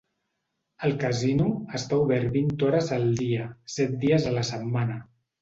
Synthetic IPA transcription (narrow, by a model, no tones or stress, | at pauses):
əlˠkəzinuəst̪auβɛɾt̪βint̪ɔɾəzəlˠd̪iəsɛt̪̚d̪iəzələsəmmanə